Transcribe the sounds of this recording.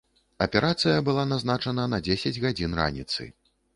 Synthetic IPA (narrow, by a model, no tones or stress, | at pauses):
ɐpʲɛɾʔat̪sɨjɐbɨlˠanaznat͡ʂɐnɐnɐd͡zʲesʲɐd͡zʲɣad͡zʲinra̰nʲit̪sɨ̰